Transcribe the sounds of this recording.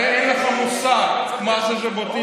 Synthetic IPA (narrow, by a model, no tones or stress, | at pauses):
enleχamusa | maʃeʃ̬ebot̪i